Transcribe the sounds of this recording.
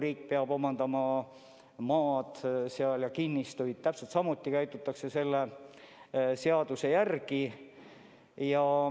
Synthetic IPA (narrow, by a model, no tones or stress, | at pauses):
riːk̚peɑb̥o̞mɑnd̪̥ɑmɑ | mɑːd̪̥seɑljɑkinʲːist̪ujd̪̥̚t̪æpselt̪sɑmut̪ːˑikæjt̪ˑut̪ːˑɑkse̞se̞lːe | se̞ɑd̪̥use̞jærɡi | jɑ